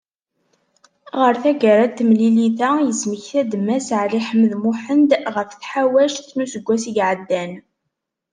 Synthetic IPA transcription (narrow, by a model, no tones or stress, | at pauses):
ʁəɾθæɡəɾæt̪ːmliliθæjəsməçθæd̪mːæsʕliħəməðmuħənd̪ʁəfθħawæʃθnusəɡʷːæsiɡʕəd̪ːæn